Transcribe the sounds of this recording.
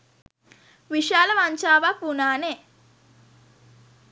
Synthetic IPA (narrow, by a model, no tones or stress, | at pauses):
ʋiʃaːlɐʋaɲt͡ʃaːʋapunaːne